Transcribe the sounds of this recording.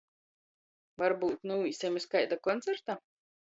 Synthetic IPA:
vaɾbuːt̪nuisʲɛmʲiskajd̪akɔnt̪sɛɾt̪a

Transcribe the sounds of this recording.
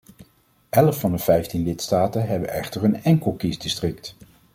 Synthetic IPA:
ɛləfːɑndəv̥ɛjftinlɪtstaːtəɦɛbənʔɛ̰χtəɹənɛŋkəlˠkisdɪstrɪkt

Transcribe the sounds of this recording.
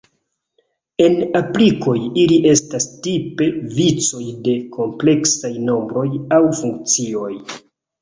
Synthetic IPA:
e̞napliko̞jiliʔe̞stastipe̞vit͡so̞jde̞kʰo̞mple̞ksajno̞mbɾo̞jawfuŋk̚t͡sio̞j

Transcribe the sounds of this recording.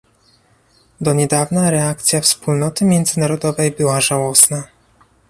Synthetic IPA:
d̪ɔɲɛd̪avnaɾɛakt̪sʲjafspulnɔt̪ɘmʲjɛnd̪zɘnaɾɔd̪ɔvɛjbɘwaʐawɔsna

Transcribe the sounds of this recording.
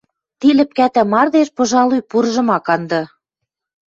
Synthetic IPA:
t̪ilɘ̆p̚kæt̪æ̆mɑrd̪eʃpɤ̆ʒɑlyjpuɾʒɤ̆mɑkɑnd̪ɤ̆

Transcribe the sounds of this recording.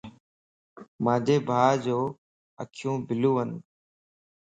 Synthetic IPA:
mãːd͡ʑeːbʱaːd͡ʑoː | ə̰kʰɪjũːbɪlũːɦən

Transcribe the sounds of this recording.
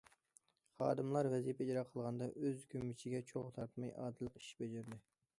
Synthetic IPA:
χɑ̰ːd̪ɨmlˠɑɾvɛzijpid͡ʒɾɑqʰəlˠʁɑnd̪ɑʔøzkʲʰømːɪt͡ʃʰiɡʲɛt͡ʃʰoʁt̪ʰɑɾt̪mɑjɑ̰ːd̪ɨlˠəqi̥ʃbɛd͡ʒɪɾd̪ɪ

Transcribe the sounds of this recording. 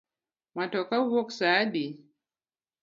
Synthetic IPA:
matɔkauwɔksaɗi

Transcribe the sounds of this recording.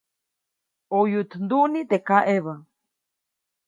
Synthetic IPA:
ojut̪nd̪uʔnit̪ekaʔeβa

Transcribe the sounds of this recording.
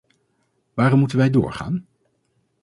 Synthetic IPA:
ʋaːɾɔmutənʋɛjdʊ̰ːɹχa̰ːn

